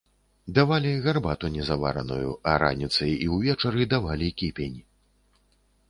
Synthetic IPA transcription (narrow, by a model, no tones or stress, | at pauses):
d̪avalʲiɣarbat̪unʲɛzava̰ɾɐ̰nṵjṵɐɾa̰nʲit̪sɐjiwvʲɛt͡ʂɐɾɨd̪avalʲikʲipʲenʲ